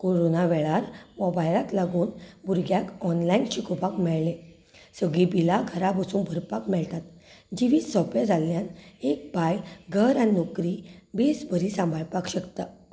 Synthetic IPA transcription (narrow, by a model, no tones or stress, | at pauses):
koɾonaʋɛɭaɾmɔbajlat̪laɡuːnbʱuɾɡjakɔnlainɕikopakmɛɭle | səɡɭibilaɡʰʱəɾabʱəsuːnbʱəɾpakmɛɭt̪at̪d͡ʑiʋiːsɔpʋed͡zʱaljanek̚bajɡʱəɾannɔkɾibesbʱəɾiːsãmbʱaɭpakɕəkt̪a